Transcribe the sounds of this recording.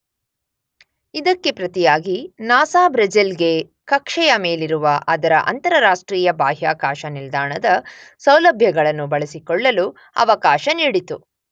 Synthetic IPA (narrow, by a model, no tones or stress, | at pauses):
id̪ɐkːe̞pɾɐt̪ijaːɡinaːsaːbɾɐd͡ʒilɡe̞ | kɐkʂɛjɐme̞ːliɾuʋɐʔɐd̪ɐɾɐʔɐ̰nt̪ɐɾɐɾaːʂʈɾiːjɐbaːɦjaːkaːʃɐnild̪aːɳɐd̪ɐsɐwlɐbʱjɐɡɐɭɐnːubɐɭɐsikɔɭːɐlu | ɐ̰ʋɐkaːʃɐniːɽit̪u